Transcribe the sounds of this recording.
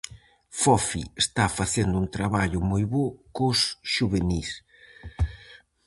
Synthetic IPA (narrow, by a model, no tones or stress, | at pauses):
fɔfḭest̪afaθend̪ʊunt̪ɾaβaʎʊmojβokʊsʃuβenis